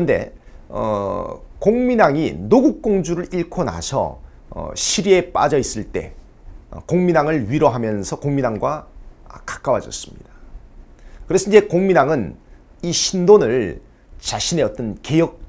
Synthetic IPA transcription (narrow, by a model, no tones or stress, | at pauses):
nde̞̰ʌ̰koŋminaŋinoɡuk̚k͈oŋd͡ʑuɾɯɾiɭkʰona̰sʰʌ̰ | ɕʰiɾie̞p͈a̰d͡ʑʌis͈ɯɭt͈e̞̰ | koŋminaŋɯɭɥiɾʌɦamjʌnsʰʌkoŋminaŋɡwakḁk͈awad͡ʑʌ̰s͈ɯ̥mɲḭd̥a | kɯɾesʰʌiɲd͡ʑe̞koŋminaŋɯn | iɕʰindonɯɭ | t͡ɕaɕʰine̞ʌt͈ʌnke̞jʌk̚